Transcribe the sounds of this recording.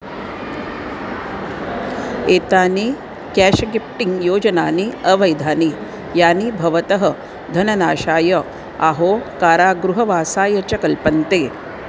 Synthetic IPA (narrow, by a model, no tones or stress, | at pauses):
eːt̪aːni | kɛːʃɐɡip̚ʈiŋɡjoːd͡ʒɐnaːniɐʋɐjd̪ʱaːni | jaːnibʱɐʋɐt̪ɐɦɐ | d̪ʱɐnɐnaːʃaːjɐ | aɦoːkaːɾaːɡɾuɦɐʋaːsaːjɐt͡ʃɐkɐlpɐnt̪eː